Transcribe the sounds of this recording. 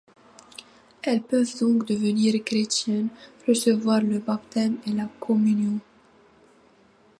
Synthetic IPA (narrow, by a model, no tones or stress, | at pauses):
ɛlpøvd̪ɔ̃kd̪əvəniʁkχet̪jɛnʁəsəvwaʁləbapt̪ɛmelakʰɔmynjɔ̃